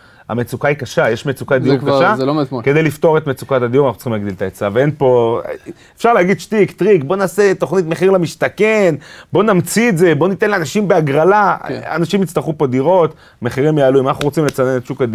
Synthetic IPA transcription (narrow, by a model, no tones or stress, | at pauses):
a̰met͡sukaikaʃajeʃmet͡sukad̪iuʁkaʃalomke̞d̪ejlift̪o̞ʁet̪met͡sukat̪ad̪ijuʁanaχut͡sχimlaɡd̪ilt̪aet͡saveenpo̞ | efʃaʁleaɡid̪ʃtikt̪ʁikbo̞naːset̪o̞χnit̪̬me̞χiʁlamiʃt̪ake̞nbo̞namt͡sieze̞bo̞nit̪enlaanaʃimbeaɡʁalaa̰naʃimit͡st̪aχupod̪iʁo̞t̪ | me̞χiʁimjaːluimanaχuʁot͡simlet͡sanenetʃukad̪i